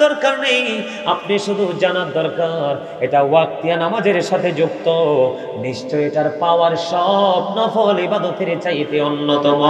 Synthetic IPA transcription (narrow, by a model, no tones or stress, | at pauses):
d̪ɔɾkaɾnej | apneʃud̪ʱud͡ʑanad̪ɔɾkaɾ | eʈawak̚t̪ijanamad͡ʑeɾʃat̪ʰed͡ʑuk̚t̪o | niʃʈoeʈaɾpaoaɾʃɔbnɔfʰɔɦolibad̪opʰeɾet͡ɕajt̪eonːot̪ɔmo